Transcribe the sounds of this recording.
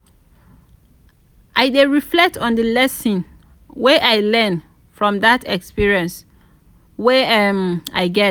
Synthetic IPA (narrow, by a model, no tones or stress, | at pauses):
ʔaɪdeɹiflɛk̚tʰɔ̃ndəlɛsĩn | weʔaɪlɛ̃n | fɹɔ̃mdatʰɛkspiɹiɛ̃ns | wema̰ɪɡɛ